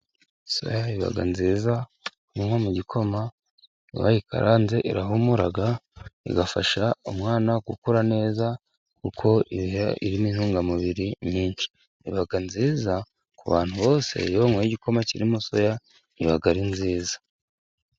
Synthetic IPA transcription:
so̞̰jaiβa̰ɡa̰nziːza | juŋhomuɟikʰo̞ma | iβa̰jikʰa̰ɾʔaːnze̞ʔiɾaɦumuɾaɡaḭɡafaʃaumŋaːnaɡukuɾane̞ːza | kukʰo̞iβiɦeḭɾiminhuːŋɡamuβiɾiɲiːnʃi̥ | iβaɡanziːza | kuβa̰ːn̥huβo̞ːse̞̰joŋwojiɟiko̞maciɾimuso̞ja | iβaɡaɾinziːzḁ

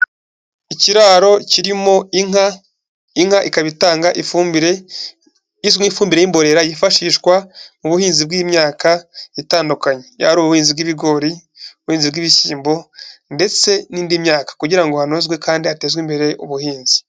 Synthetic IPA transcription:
iciɾaːɾo̞ciɾimo̞ | iŋhaʔikaβitaːŋɡaʔifbiɾe | izifuːmbiɾe̞jimbo̞ɾe̞ɾajifaʃiːʃkwamuβuhiːnzibɡimɲaːkaitaːndukaɲeja̰ɾuːβuuhiːnzibɡiβiɡo̞ɾi | uβuhiːnzibɡiβisiːmbonde̞t͡se̞niːndimɲaːkḁkuɟiɾaŋɡo̞hanozɡwe̞kaːndihate̞ːzɡwimbe̞ɾe̞ʔuβuhiːnzi̥

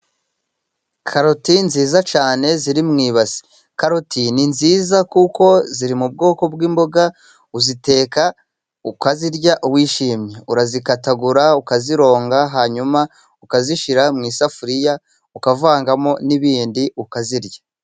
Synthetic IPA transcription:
kʰaɾotinziːzat͡ʃaːne̞ziɾimŋiːβazi̥ | kaɾotʰininziːzakuko̞ziɾimub̚ɡo̞ːko̞bɡiːmbo̞ɡa | uzite̞ːka | ukaziɾɟaʔuwiːʃiːmɲeuɾazikataɡuɾaukaziɾo̞ːŋɡaɦaːɲuma | ukaziʃiɾamŋiːsafuɾija | ukavaːŋɡamo̞niβiːndiukaziɾɟḁ

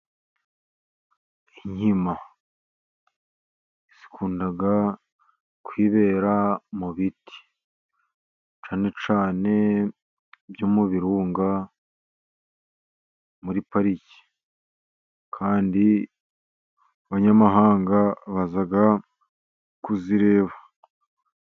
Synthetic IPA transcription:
iɲhima | isi̥kʰuːndaɡa | kwiːβe̞ɾamuβitʰi̥ | t͡ʃaːne̞t͡ʃaːne̞ | bjomuβiɾuːŋɡa | muɾipaɾici̥ | kʰaːndi | βaɲamaɦaːŋɡaβazaɡa | kuziɾe̞ːβa

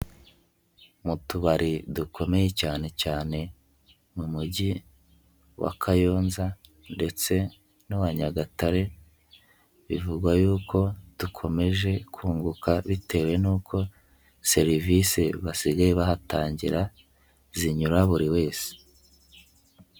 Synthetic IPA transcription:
mutuβaɾidukʰo̞me̞je̞caːne̞caːne̞ | mumuɟi | wa̰kʰajo̞ːnza | nde̞t͡se̞ | nuwaɲaɡataɾe̞ | βivuɡwajuːko̞d̥ukʰo̞me̞ʒe̞kʰuːŋɡukaβite̞ːwe̞nuːkʰo̞ | se̞ɾiviseβasiɡajeβahataːɲɟiɾa | ziɲuɾaβuɾiwe̞ːse̥

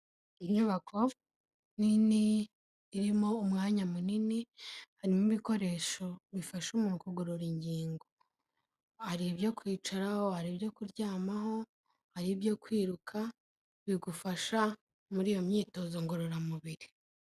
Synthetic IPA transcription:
iɲuβakʰo̞ | niniː | ɾimo̞umŋaːɲamuninihaɾimuβiko̞ɾe̞ːʃo̞βifaʃumuːnkuɡuɾuɾiɲɟiːŋɡo̞ | aɾibjo̞kwiːt͡ʃaɾahohaɾibjo̞kuɾɟaːmaɦo̞ | haɾibjo̞kwiːɾukʰa | βiɡufaʃa | muɾijo̞mɲiːto̞zoŋɡoɾoɾamuβiɾi

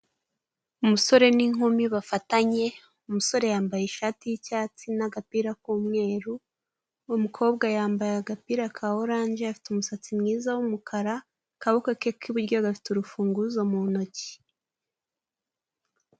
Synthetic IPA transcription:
umuso̞ɾe̞niŋhomiβafataɲe̞ | umuso̞ɾe̞jaːmbajeʃaːtijicaːt͡sinaɡapiːɾakuːmŋe̞ːɾu | mukʰo̞ːbɡajaːmbajaɡapiɾakʰaoɾaːɲʒeafi̥tumusat͡simŋiːzawumukʰaɾa | kaβokakekʰiβuɾɟo̞ɡafi̥tuɾufuːŋɡuzomuno̞ci̥

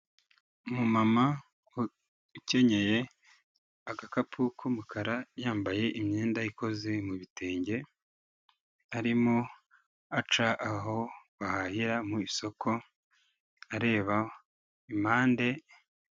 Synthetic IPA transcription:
mumama | uce̞ɲe̞je̞ | akakapʰukʰumukʰaɾajaːmbaje̞ʔimɲeːndajiko̞ze̞muβiteːɲɟe̞ | aɾimo̞ | at͡ʃaʔaɦo̞βahahiɾamuiso̞kʰo̞ | aɾe̞ːβa | imaːnde̞

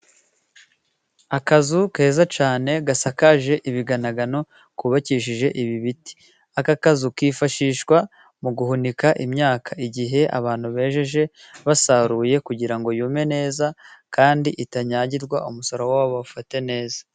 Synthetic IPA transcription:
akazuke̞ːzat͡ʃaːne̞ɡasakaʒe̞ʔiβiɡanaɡano̞ | kuβaciːʃ̬iʒe̞ʔiβiβiti̥ | akakazukiːfaʃiːʃwa | muɡuhunikaʔimɲaːkʰaiɟiɦe̞ʔa̰βaːn̥huβe̞ːʃe̞ʒe̞ | βasaɾuːje̞kuɟiɾaŋɡo̞juːme̞ne̞ːzakaːndiʔitaɲaːɟiɾɡwaumusoɾowawaβaβufate̞ne̞ːzḁ

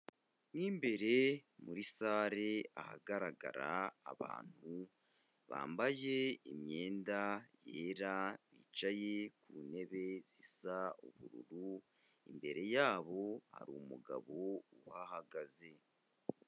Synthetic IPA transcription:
wiːmbe̞ɾe̞muɾisaːɾe̞aha̰ɡaɾaɡa̰ɾaːβa̰ːn̥hu | βa̰ːmbaje̞imɲe̞ːndaje̞ːɾaβiːt͡ʃajekune̞βe̞zisauβuɾṵɾu | imbe̞ɾe̞jaːβo̞ha̰ɾumuɡa̰βo̞uhahaɡaze̞

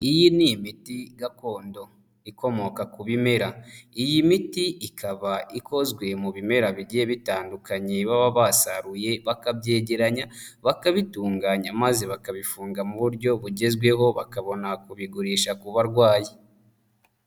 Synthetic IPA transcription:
ijinijimitiɡako̞ːndo̞ | iko̞mo̞kakuβime̞ɾaijimitiʔikʰaβaiko̞zɡwe̞muβime̞ɾaβiɟijeβitaːndukaɲeβaβaβasaɾuje̞βakabɟe̞ːɟeɾaɲaβakaβituːŋɡaɲamaze̞βakaβifuːŋɡamuβuɾɟo̞βuɟe̞zɡwe̞ɦo̞βa̰kaβo̞nakuβiɡuɾiːʃakuβaɾɡwaːje

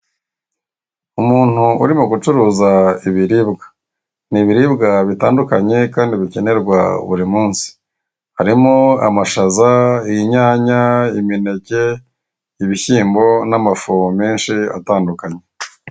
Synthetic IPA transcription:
umuːn̥huṵɾimuɡut͡ʃuɾuːzaiβiɾibɡḁ | niβiɾibɡaβitaːndukaɲe̞kaːndiβice̞ne̞ɾɡwa̰ṵβuɾimuːnsi̥ | haɾimoa̰maʃazaijiɲaːɲaimine̞ce̞ | iβiçiːmbo̞namafomeːnʃia̰taːndukaɲe̞

